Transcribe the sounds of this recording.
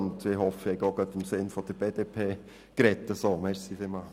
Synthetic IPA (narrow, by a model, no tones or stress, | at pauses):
ntʋɪːhɔfəɛɡoɡœtɪmsɪnfɔd̥əɾbeːdepʰeː | kɾɛt̪ːəsoːmɛɾsifɪma